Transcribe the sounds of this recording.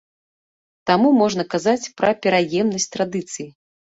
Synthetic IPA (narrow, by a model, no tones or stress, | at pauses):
t̪amumɔʐnɐkazat͡sʲpɾɐpʲɛɾajɛmnɐsʲtʲt̪ɾad̪ɨt̪sɨji